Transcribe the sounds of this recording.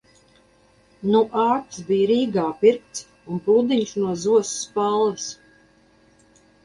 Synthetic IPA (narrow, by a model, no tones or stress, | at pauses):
nuʔaːt̪sbijɾiːɡaːpiɾk̚t̪s | unpuːd̪iɲsnuɔzuɔsu̥spalˠvis